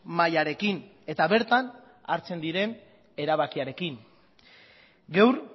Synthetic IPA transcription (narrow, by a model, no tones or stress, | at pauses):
majaɾe̞kin | e̞t̪aβe̞ɾt̪an | aɾt͡se̞nd̪iɾe̞n | e̞ɾaβakiaɾe̞kin | ɡewɾ